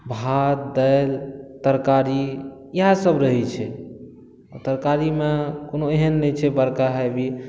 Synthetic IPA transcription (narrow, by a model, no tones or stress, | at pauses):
bʱat̪̚d̪əɪlt̪əɾkaɾiiɦasəbɾəɦit͡ʃʰɛ | ɔt̪əɾkaɾimekonoeɦənːɛt͡ʃʰɛbəɾkaɦɛbi